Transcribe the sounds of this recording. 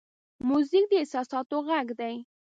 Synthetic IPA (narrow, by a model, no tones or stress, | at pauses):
muzɪk̚d̪əɪsɑsɑt̪oɣaɡd̪aj